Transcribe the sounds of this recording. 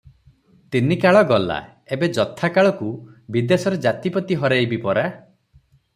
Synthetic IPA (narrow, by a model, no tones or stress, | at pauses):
t̪inikaɭɔɡɔla̰ | ebed͡ʒɔt̪ʰakaɭɔkubid̪esɔɾed͡ʒat̪ipɔt̪iɦɔɾejbipɔɾa